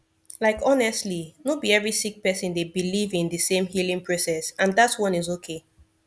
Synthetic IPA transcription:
laɪkʰɔnɛstlinobiɛvɹisik̚pɛsɨ̃ndebilivĩnðɨsẽmhilĩŋpʰɹosɛsãnðatswʌ̃nizokʰe

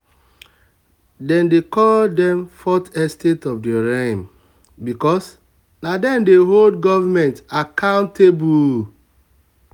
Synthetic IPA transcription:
dɛ̃ndekɔldɛ̃mfɔtɛstetɔfdeɾẽm | bikɔs | nadɛ̃ndeɦoldɡɔvamɛ̃ntakãʊ̃ntebu

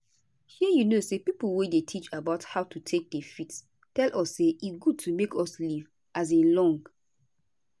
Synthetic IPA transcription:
hiəjunosepipl̩wedetʰit͡ʃabaʊthaʊtʰutʰek̚defit | tɛlʔɔsːeʔisɡud̚tʰumekʰɔsliv | ʔaz̬elɔ̃ŋɡ

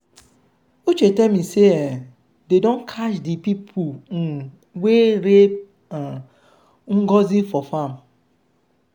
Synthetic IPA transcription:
ot͡ʃetemise | dedɔ̃nkʰaʃdipipʰu | weɾe | ŋ̩ɡɔzifɔfam

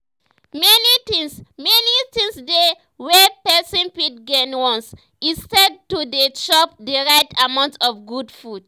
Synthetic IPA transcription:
mɛnitĩŋsmɛnitĩŋsde | wɛpɛsɔ̃npit̚ɡɛnwɔ̃ns | ĩnstɛd̚tudeʃɔp̚dəɹaɪtʰamãʊ̃ntɔfɡudfud

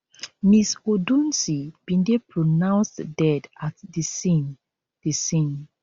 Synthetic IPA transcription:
misodũnsib̥ĩndepʰɹonãw̃nsdɛdatdisin | d̥isĩn

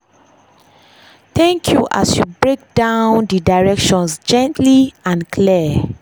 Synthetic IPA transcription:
θɛ̃ŋkʰjuʔa̰sjubɹek̚d̥ãʊ̃ndidaɹɛkʃɔ̃nsd͡ʒɛ̃ntʰliãnkʰli

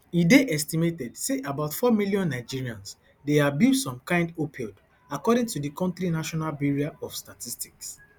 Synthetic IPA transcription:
ideʔɛstimetɛdseʔabaʊtfɔmiljɔ̃nːaɪd͡ʒiɹiãns | deabjusɔ̃mkãɪ̃ndopʰɔd | akɔdɪ̃ŋtudikɔ̃ntɹinaʃɔnalbiɹiaɔfstatisti̥ks

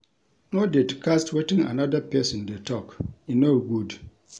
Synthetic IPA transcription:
nɔdɛdkʰastʰwɛtɪ̃ŋa̰nadapʰɛsɔ̃ndɛtʰɔkinoɡud

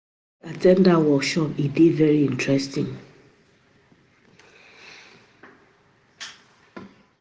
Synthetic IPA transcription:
atɛ̃ndawɔkʃɔpidivɛɹiĩntɹɛstḭ̃ŋ

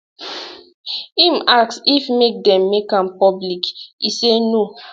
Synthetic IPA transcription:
imaksifmek̚dɛ̃mːekãmpɔblikiseno

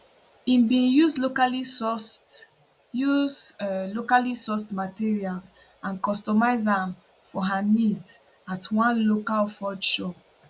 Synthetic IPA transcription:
ĩmbĩnjuzlokaliɔst | juzlokalisɔstmatiɹialsãnkɔstɔmaɪzãm | fɔɦanid | atʰwãnlokalfɔdʃɔ

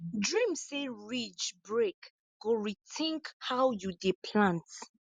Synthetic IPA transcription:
dɹĩmseɹit͡ʃbɹek | ɡ̥oɹitʰĩŋkhawjudipʰlãnt

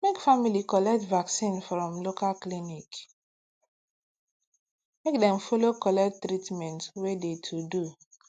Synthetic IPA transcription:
mekfamilikɔlɛk̚tvaksĩnfɾɔ̃mlokalklinik | mek̚dɛ̃mfɔlokɔlɛk̚tːɾitmɛ̃ntwedetʰudu

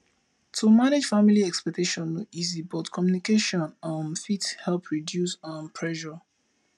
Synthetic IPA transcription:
tʰumaned͡ʒfamiliɛkspɛk̚tʰeʃɔ̃noizibɔtkʰɔmjunikeʃɔ̃nãnfithɛlˠpʰɹidjusãnpʰɹɛʃɔ

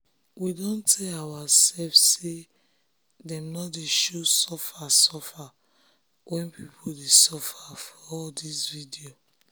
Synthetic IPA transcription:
widõntʰɛlawasɛlfse | dɛ̃mnɔdeʃosɔfasɔfa | wʔɛ̃npipʰodesɔfafɔɔldisvidio

